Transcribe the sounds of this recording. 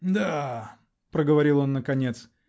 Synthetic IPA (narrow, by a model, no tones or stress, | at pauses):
d̪a | pɾəɡəvɐɾʲilˠo̞nːəkɐnʲet̪s